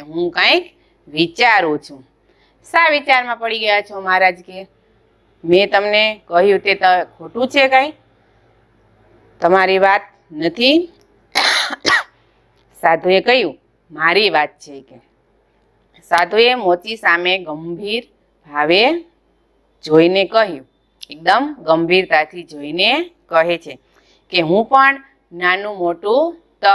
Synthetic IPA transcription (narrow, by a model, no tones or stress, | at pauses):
eɦũkãik | ʋit͡ʃaɾũt͡ʃʰũ | saʋit͡ʃaɾmãpəɽiɡəjat͡ʃʰomaɾad͡ʒke | met̪əmnekəɦjũt̪et̪əkʰoʈũt͡ʃʰekãĩk | t̪əmaɾiʋat̪̚ | nət̪ʰi | sad̪ʱũekəɦjũ | maɾiʋat̪̚t͡ʃʰeke | sad̪ʱuemot͡ʃisameɡəmbʱiɾ | bʱaʋe | d͡ʒoinekəɦjũ | ek̚d̪əmɡəmbʱiɾt̪at̪ʰid͡ʒoinekəɦet͡ʃʰe | keɦũpəɳ | nanũmoʈũ | t̪ə